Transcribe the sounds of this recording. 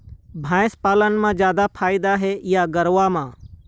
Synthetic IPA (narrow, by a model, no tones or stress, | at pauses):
bʱãːɪspaːlənmãd͡ʒjaːd̪apʰaːɪd̪aɦɛjaɡɐɾʋamãː